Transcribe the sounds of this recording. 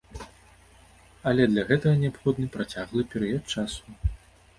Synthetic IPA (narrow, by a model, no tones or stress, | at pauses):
ɐlʲɛd̪lʲɐɣɛt̪ɐɣɐnʲɛapxɔd̪nɨpɾat͡sʲaɣlˠɨpʲɛɾɨjɐt̪̚t͡ʂasu